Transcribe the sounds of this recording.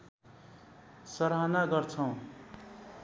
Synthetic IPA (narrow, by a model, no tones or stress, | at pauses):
sʌɾanaɡʌrt͡sʰʌw̃